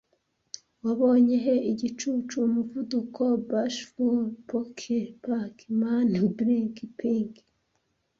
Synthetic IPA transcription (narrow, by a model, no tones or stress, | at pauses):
waβo̞ːɲe̞ɦe̞iɟit͡ʃut͡ʃuːmuvudukʰo̞baʃfuɾpokʰepakʰimanbɾikipiŋɡ